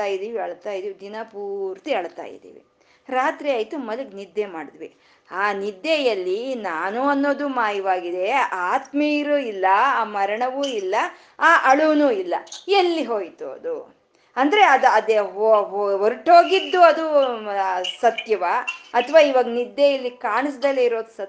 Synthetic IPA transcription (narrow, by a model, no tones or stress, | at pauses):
aːjid̪iːʋiɐɭt̪aːjid̪iːʋid̪inɐpuːɾt̪iɐɭt̪a̰ːjḭd̪ḭːʋḭ | ɾaːt̪ɾiaːjt̪umɐd̪uɡnid̪ːemaːɽid̪ʋḭ | aːnid̪jejɐlːinaːnuɐnːo̞ːd̪umaːjiʋaːɡid̪e̞aːt̪miɾuilːɐaːmɐɾɐɳɐʋuilːɐ | aːʔɐɭunuːilːɐelːiɦo̞ːjt̪uɐ̰d̪u | ɐnd̪ɐɾeɐd̪ɐd̪eɦoɦoɾʈɦo̞ːɡid̪ːuɐd̪u | sɐt̪jɐʋɐɐt̪ʰʋaːiʋaːɡɐnid̪jejɐlːikaːɳs̬d̪ɐlːeiɾo̞ːd̪sɐ